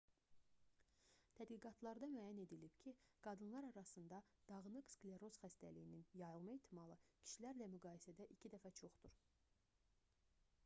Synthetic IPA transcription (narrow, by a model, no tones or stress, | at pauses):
t̪ʰæd̪ɡiɡɑt̪ʰlˠɑɾd̪ɑmyæjæne̞d̪ilibcʰiɡ̥ɑd̪ɯnlˠɑɾɑɾɑsɯnd̪ɑd̪̥ɑɣnɯɡsɡlʲeɾo̞zxæst̪æ̰lijininjɑjɯlˠmɑit̪ʰːimɑlˠɯcʰi̥ʃilæɾlæmyɡɑːjesæd̪æʔicʰid̪æfæt͡ʃʰo̞χd̪uɾ